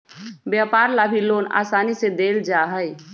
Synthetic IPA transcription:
bjapaːɾlabʱiloːna̰ːsaːnised̪eːld͡ʒaɦəj

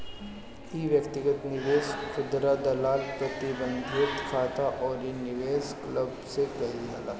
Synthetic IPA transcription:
iʋjəkt̪ɪɡət̪nɪʋeːskʊd̪ɾad̪ɐlaːlpɾɐt̪ɪbə̃nd̪ʱɪt̪kʰaːt̪aʔɔːɾinɪʋeːskləbsekɐɦiɦala̰ː

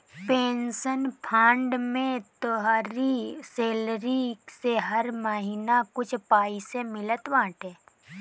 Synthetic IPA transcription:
peːnsənpʰãːɳɖmẽt̪oɦaːɾiseːlɾiseɦɐɾməɦiːnakʊt͡ʃʰpaːisemɪlət̪ʋãːʈʰɦɛː

